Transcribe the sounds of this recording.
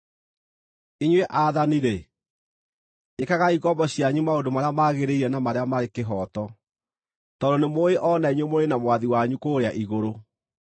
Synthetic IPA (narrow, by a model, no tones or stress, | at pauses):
iɲweʔaːðaniɾe | ekaɣaiɣɔmbɔɕjaɲumaondomaɾeamaɣeɾeiɾɛnamaɾeamaɾekeɦɔtɔ | tɔdonemoeʔɔnaiɲwemoɾenamwaðiwaɲukoːɾeaʔiɣoɾo